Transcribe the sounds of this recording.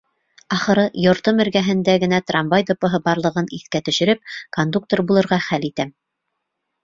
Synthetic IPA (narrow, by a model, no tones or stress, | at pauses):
ɑχɤ̆ɾɤjŏɾt̪ɤmɘ̆ɾɡæɦɘ̆nd̪æɡɘ̆næt̪rɑmbɑjd̪ŏpɤ̆ɦɤbɑɾlˠɤ̆ʁɤniθkæt̪ɵ̆ʃɘ̆ɾɵp̚kond̪uk̚t̪orbulˠɤ̆ɾʁɑχælit̪æm